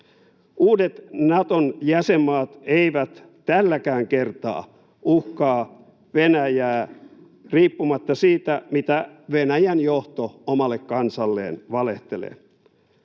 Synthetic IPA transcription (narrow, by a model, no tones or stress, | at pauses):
uːdet̪nɑt̪onjæsemːɑːt̪eiʋæt̪ | t̪ælːækæːŋkert̪ɑ̰ː | uhkɑː | ʋenæjæː | riːpːumɑt̪ːɑsiːt̪æmit̪æʋenæjænjoht̪oomɑlːekkɑnsɑlːḛːnʋɑleht̪elḛː